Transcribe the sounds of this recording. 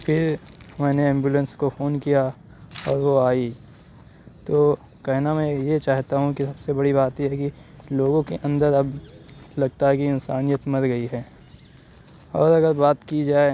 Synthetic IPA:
pʰɪɾmɛ̃ːneɛ̃ːmbjuːlə̃nskofʰoːnkija | ɔːɾʋoaːi | t̪oː | kɐɦnamɛ̃jet͡ʃaːɦt̪aɦũkisɐbsebɐɽibaːt̪ɦiɦɛki | loːɡõkeʔɐ̃nd̪əɾɐblɐɡ̚t̪aɦɛkiɪnsaːnijət̪mɐɾɡɐiɦɛː | ɔːɾɐɡəɾbaːt̪kid͡ʒaːe

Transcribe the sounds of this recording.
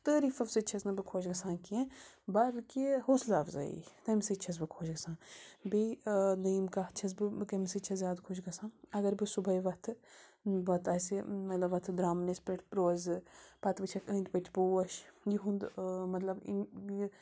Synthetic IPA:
t̪əːɾiːfɐfsɨt͡ʃʰɐznɐbɨkʰoːt͡ʃɡɐsãːkiẽbɐɾkihoːslaːfza̰ːḭt̪ɐmset͡ʃʰɐs̬bɨkʰoːt͡ʃɡɐsãːbeniːmkat͡ʃʰɐsbɨkɐmsɨt͡ʃʰɐzʲjaːd̪kʰoʃɡɐsãːɐɡɐɾbɨsubɐiʋɐt̪ʰɨʋɐt̪ɐːsemɐt̪lɐbʋːɐt̪ʰd̪ɾaːmnespɾeʈʰpɾoːzpɐt̪bɨt͡ʃʰɐkəːnʈʲpɐt͡ʃʰboːɐʃjiɦũnd̪mɐt̪lɐbḭ

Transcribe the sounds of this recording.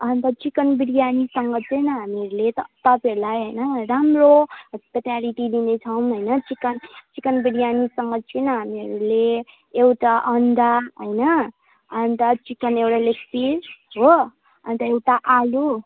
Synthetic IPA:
ʌnt̪ʌt͡sikʌnbiɽijanisʌŋɡʌt͡sʰʌjnʌɦameɾulet̪ʌt̪ʌpeɾulajɦəjnʌɾamroɦʌspet̪aliʈid̪inet͡sʰʌwmɦojnʌt͡sikʌnt͡sikʌnbiɽijanisʌŋɡʌt͡sʰʌjnʌɦameɾuleː | wʈaʔʌnd̪aɦojnʌ | ʌnt̪ʌt͡sikʌnewʈalepʰilɦo | ʌnt̪ʌewʈaʔalu

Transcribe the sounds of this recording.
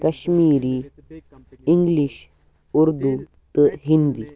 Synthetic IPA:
kɐɕmiːɾi | iŋɡliʃ | uɾd̪u | t̪əɦind̪i

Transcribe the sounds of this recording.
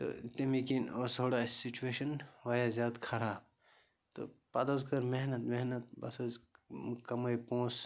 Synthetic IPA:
t̪o̰t̪imikinosoːɽasit͡ʃueːʃɐnʋɐjazʲjaːd̪kʰɐɾaːb | t̪o̰pɐd̪ozkɐɾmeɦnɐt̪meɦnɐt̪bɐ̰soːzkɐmɐjpõːs

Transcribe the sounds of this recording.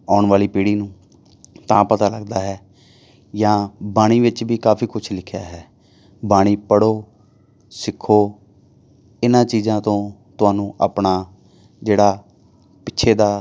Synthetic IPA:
aːɳʋaːliːpiːɽiːnũː | t̪ãːpət̪aːləɡd̪aːɦɛː | jãːbaːɽ̃iːʋɪt͡ʃbiːkaːpʰiːkʊt͡ʃʰlɪkʰja̰ːɦɛː | baːɽ̃iːpəɽoː | sɪkʰːoː | ɪnãːt͡ʃiːzãːt̪õːt̪ʊaːnũːʔaːpɳaː | d͡ʒeːɽaː | pɪtːʃʰeːd̪aː

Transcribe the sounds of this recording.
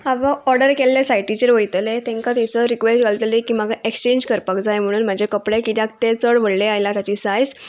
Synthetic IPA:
aʋaɔɾɖəɾkelːesajʈit͡ɕeɾʋəjt̪əlet̪ẽŋkat̪isəɾikʋesʈɡalt̪lekiːmaɡaʔekst͡ɕeɲd͡ʑkəɾpakd͡zajm̤əɽ̃uːnm̤ad͡ʑʱekəpɽekit̪jakt̪et͡səɽʋəɽleajlat̪jat͡ɕisajd͡z

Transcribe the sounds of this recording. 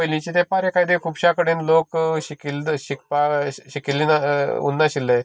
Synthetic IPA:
əjlĩt͡ɕit̪epaɾekaid̪ekʰubɕakəɽiːnlokɕikilɕik̚paɕikilːinaṵnːaɕilːe

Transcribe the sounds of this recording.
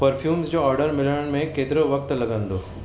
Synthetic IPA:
pɐɾfʰjuːmsd͡ʒoːɔːɾɖəɾmɪləɽmẽkeːt̪ɾoʋɐkt̪lɐɡə̃nd̪oː

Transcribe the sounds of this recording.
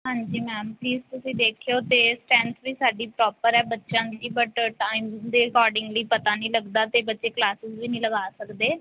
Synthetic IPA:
ɦãːɲd͡ʒiːmɛːmpliːzt̪ʊsĩːd̪eːkʰejoːt̪eːsʈɛ̃ːɳsbiːsaːɖiːpɾɔːpəɾɛːbətːʃãːd͡ʒiːbəʈʈaːɪmd̪eːəkɔːɾɖɪ̃ŋɡliːpət̪aːnəĩːləɡd̪aːt̪eːbətːʃeːklaːsɪsʋiːnəĩːləɡaːsəkd̪eː

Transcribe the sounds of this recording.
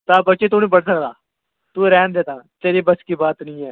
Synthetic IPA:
t̪aːbəːt͡ʃeːt̪ũːnĩːbəɽsəkd̪aː | t̪uːɾɛːnd̪eːt̪ãːt̪eːɾiːbəskiːbaːt̪nĩːɛː

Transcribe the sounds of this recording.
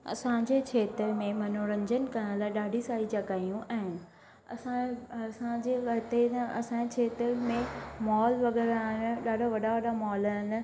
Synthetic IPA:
ɐ̰sãɲd͡ʑet͡ɕʰeːt̪ɾmẽmɐnoɾə̃ɲd͡ʑənɪ̆kɐnəlaːɪɗaːɖʱisaːid͡ʑɐkaːijũʔɛ̃ːɦːnɪ | ɐ̰sãɐsãd͡ʑeʋɐt̪et̪ɐ̰sãd͡ʑet͡ʃʰeːt̪ɪɾmẽmɔːlʋɐɡɛːɾaɦɪnɪ̆ɗaːɖʱaʋɐɗaʋɐɗamɔːlaɦɪnɪ̆

